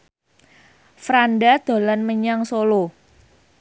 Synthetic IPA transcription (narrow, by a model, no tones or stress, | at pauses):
fɾanɖad̪̥o̤lanməɲaŋsolo